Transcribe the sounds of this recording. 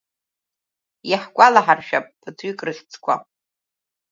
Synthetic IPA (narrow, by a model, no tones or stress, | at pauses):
jaħɡʷʼalaħarʃᶣapʼɨtʰɥikʼrɨχʲt͡sʰʼkʷʰʼa̰